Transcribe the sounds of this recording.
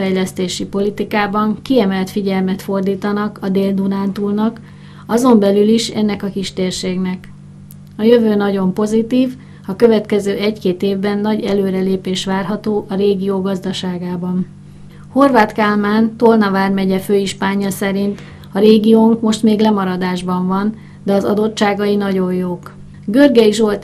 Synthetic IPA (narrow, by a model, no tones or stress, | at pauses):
fɛjlɛst̪eːʃipo̞lit̪ikaːbɒŋkiɛmɛlt̪fiɟɛlmɛt̪fo̞rd̪iːt̪ɒnɒkɒd̪eːld̪unaːnt̪ulnɒk | ɒzo̞mbɛlyliʃɛ̰nːɛkɒkiʃt̪eːrʃeːɡnɛk | ɒjø̞vøːnɒɟo̞mpo̞zit̪iːv | ɒkø̞vɛt̪kɛzøːʔɛckeːt̪eːvbɛnːɒɟɛløːɾɛleːpeːʃʋaːrɦɒt̪oːʔɒɾeːɡijoːɡɒzd̪ɒʃaːɡaːbɒn | ho̞rvaːt̪kaːlmaːnt̪o̞lnɒvaːrmɛɟɛføːiʃpaːɲːɒsɛɾint̪ | ɒɾeːɡijoːŋkmo̞ʃt̪meːɡlɛmɒɾɒd̪aːʒbɒɱvɒn | d̪ɛɒzɒ̰d̪o̞tːʃaːɡɒjinɒɟo̞jjoːk | ɡørɡɛiʒo̞lt̪